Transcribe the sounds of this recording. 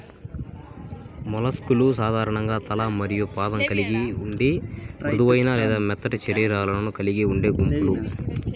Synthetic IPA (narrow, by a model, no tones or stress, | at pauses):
mɔlɐskulus̬aːd̪ʱaːɾɐɳɐŋɡaːt̪ɐlɐmɐɾijupaːd̪ɐŋkɐliɡiuɳɖiɾud̪uʋɐjnaːlɛːd̪aːmɛt̪ːɐʈit͡ʃɐɾiːɾaːlɐlɐnukɐliɡiuɳɖeːɡumpulu